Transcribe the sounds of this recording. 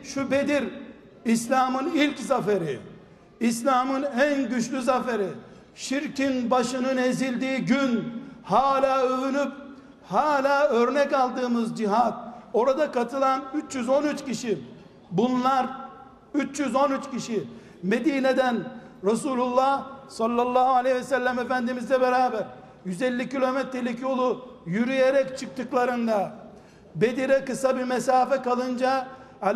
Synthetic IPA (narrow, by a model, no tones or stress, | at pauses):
ʃube̞d̪iɾ | islʲaːmɯnilʲczafeɾi | islʲaːmɯnænɟyt͡ʃlʲyzafeɾi | ʃiɾcinbaʃɯnɯne̞zilʲd̪iːɟynhaːlʲaːøynyp | haːlʲaːøɾnɛcalˠd̪ɯːmɯzd͡ʒiɦat̪̚o̞ɾad̪akat̪ʰɯlˠanyt͡ʃjyzo̞nyt͡ʃcʰiʃi | bunlˠaɾ | yt͡ʃjyzo̞nyt͡ʃciʃi | me̞d̪iːne̞d̪ænɾasuːlʲulˠːahsalˠːalˠːaːhualʲejvɛsælʲːæmefænd̪imizlʲɛbe̞ɾaːbæɾ | jyzɛlʲːicilʲo̞mɛt̪ɾelʲicjo̞lˠujyɾyjeɾɛct͡ʃʰɯk̚t̪ʰɯklˠaɾɯnd̪a | be̞d̪iɾɛkɯsabimesaːfɛkalˠɯnd͡ʒa